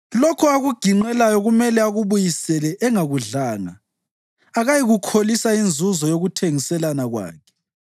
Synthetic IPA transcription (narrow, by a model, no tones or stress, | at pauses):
lokʰɔaɣuɡ̥ʱiŋ͡ǃɛlajɔɣumɛlɛaɣuβujisɛlɛʔɛŋaɣuɮaːna̰ː | ɣajiɣukʰolisaind͡zʱuzɔjoɣutʰeŋisɛlanaɣwa̰ːkʰɛ̥